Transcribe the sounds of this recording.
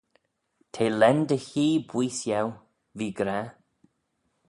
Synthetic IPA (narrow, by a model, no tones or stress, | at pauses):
t̪ʰeːlɛnd̪əçiːbwiːsjaw | viːɡɾa